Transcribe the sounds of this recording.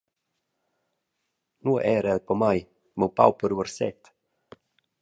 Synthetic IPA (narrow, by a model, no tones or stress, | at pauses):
nuəʔɛɾɛlpɔmaj | mowpa̰wpəɾuəɾsɛ̰t̪